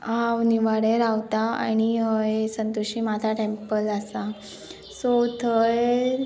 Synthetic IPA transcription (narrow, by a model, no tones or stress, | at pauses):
awniʋaɽeɾaʋt̪aa̰ñiɦəesənt̪uɕiːmat̪ʰaʈempəlasa | sot̪ʰəj